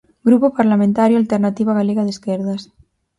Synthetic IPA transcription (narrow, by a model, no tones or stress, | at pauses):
ɡɾupopaɾlamẽnt̪aɾjoalt̪eɾnat̪iβaɣaleɣaðeskeɾðas